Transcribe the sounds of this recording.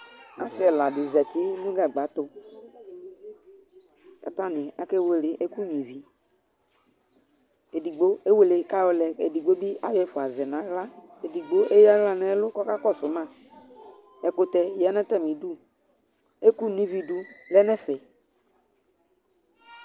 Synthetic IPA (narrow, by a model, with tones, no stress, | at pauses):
a˨sɪ˦ɛ˨la˨dɪ˨zɛ˨t̪i˦nũ˦ɡa˨ɡ͡ba˨˦t̪ʊ˦ | ka˨t̪ã˦nɪ̃˨a˦kɛ˦we˦lɪ˨ʔe˦ku˦ɲĩ˨vi˨ | e˨di˨ɡ͡bo˦e˦we˦le˨ka˦wo˦lɛ˨ḛ˨di˨ɡ͡bo˦bi˦ʔa˦jɛ˦fʊ˨a˨zɛ˨nã˨˦ɣla˦e˨di˨ɡ͡bo˦ʔe˦ja˦ɣla˦nɛ̃˦lʊ˦kɔ˦ka˦kɔ˦sʊ˨mã˦˨ | ɛ˨kʊ˨t̪ɛ˨jɛ˨˦nɛ̃˦t̪ɛ˦˨mĩ˨du˦ | e˦ku˦nĩ˦vi˨du˦lɛ˦nɛ˦fɛ˨